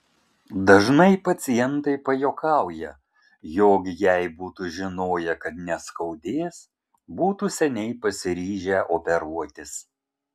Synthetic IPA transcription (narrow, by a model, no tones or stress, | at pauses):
d̪ɐʒnɐɪpɐt̪sʲɪjɛnt̪ɐɪpɐjoːkɑˑʊjɛ | joːɡʲjɛɪbuːt̪uʒʲɪnoːjɛkɐt̪nʲɛskɒʊd̪ʲeːs | buːt̪uːsʲɛnʲɛɪpɐsʲɪɾʲiːʒʲɛʔopʲɛɾuɔt̪ʲɪs